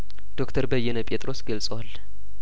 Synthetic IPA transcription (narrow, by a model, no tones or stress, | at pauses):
d̪̥o̞kt̪ʰəɾbəjːɛnəpʼet̪ʼɾo̞sɡəlsʼəwal